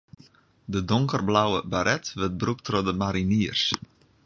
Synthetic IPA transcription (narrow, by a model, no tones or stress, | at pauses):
dədʊŋkərblawəbaɾɛtʋət̚bruk̚trodəmaɾiniərs